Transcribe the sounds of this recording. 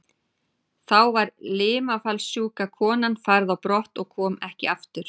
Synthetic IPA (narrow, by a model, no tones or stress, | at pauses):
θawvaɾlɪːmafalsjuːkakʰɔːnanfaɾðawpɾɔht̪ɔɣkʰɔːmɛhcɪaft̪ʏɾ̥